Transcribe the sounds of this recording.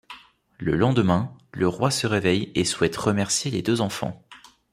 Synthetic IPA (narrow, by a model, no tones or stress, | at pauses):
lə̰lɑ̃d̪əmɛ̃ləʁwasəʁevɛjeswɛt̪ʁəmɛʁsjeled̪øzɑ̃fɑ̰̃